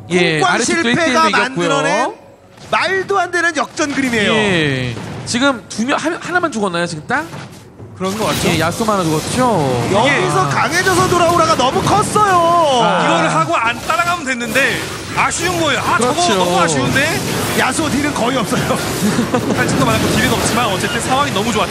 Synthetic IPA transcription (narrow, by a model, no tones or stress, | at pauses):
joe̞k͈waaiɭtoipʰeeɡaimkːʌtnd͈ujɾʌne | maɭdoɦandenɯnjʌk̚t͡ɕ͈ʌnɡɯɾimejoe | t͡ɕiɡɯmtumjʌhahanamant͡ɕuɡʌnːajot͡ɕiɡɯmt͈a | kɯɾʌnɡʌaejasʰomanatoɡʌt̚t͡ɕ͈ojʌɡeɡis̬ʰʌkaŋe̞d͡ʑʌs̬ʰʌdoɾaoɾaɡanʌmukʰʌs͈ʌjokɯɡʌɾɯɭɦaɡoant͈aɾaɡamɯndwenːɯnde̞ | aɕʰiunɡʌoakɯɾʌt͡ɕʰoaɕʰiunde̞jasʰot̬iɾɯnkʌiʌp̚s͈ʌjo | tʰant͡ɕʰit͈omanːakotiɾɯnʌp̚t͡ɕ͈imanʌt͡ɕ͈e̞t͈ʰesʰawaŋinʌmut͡ɕoat͈̚a